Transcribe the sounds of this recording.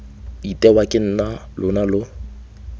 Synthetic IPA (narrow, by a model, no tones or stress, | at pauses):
itʼɛwakʼɪn̩ːnalʔʊnalʊ